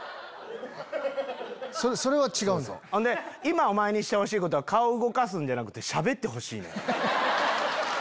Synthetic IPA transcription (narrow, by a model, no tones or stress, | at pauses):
soɾeso̞ɾe̞βat͡ɕiɡaɯ̃nd̪o̰hõnd̪e̞imao̞mae̞ɲ̟iɕi̥t̪eho̞ɕ̬iːko̞t̪̬oakaoɯɡo̞kas̬ɨ̃nd͡ʑanakɯ̟t̪ːe̞ɕabe̞t̪ːe̞ɦo̞ɕḭːnḛ̃